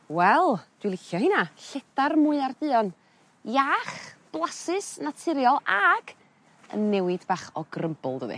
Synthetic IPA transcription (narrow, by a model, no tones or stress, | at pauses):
wɛlˠd̥wilˠɪɬjɔhɨnaɬɛdarmʊɨardɨɔn | jaːχb̥lˠasɨsnatʰɪɾjɔlˠaɡ̥ | ə̰nːɛwɪdbaːχɔɡrəmbʊ̰lˠdəðɨ̰